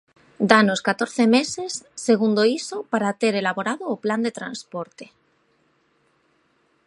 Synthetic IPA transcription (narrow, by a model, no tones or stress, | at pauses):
d̪anoskat̪oɾθemesesːeɣ̞und̪oisopaɾat̪eɾelaβoɾaðoːpland̪et̪ɾã̰nspoɾt̪e